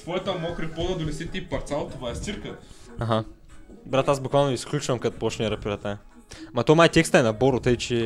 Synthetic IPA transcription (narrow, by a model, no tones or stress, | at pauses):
svojɛt̪əɐmɔxɾɛpod̪ɐd̪onɛsɛt̪ipɐɾt̪salˠt̪ovaɛssiɾkəaɦa | bɾat̪azbʊkvalˠnoisklʲut͡ʃvɐmkat̪pɔt͡ʃnʲɛɾɐpʲiɾat̪a | mɐt̪omajt̪ʲɛkst̪əɛnɐboɾʊt̪əjt͡ʃɛ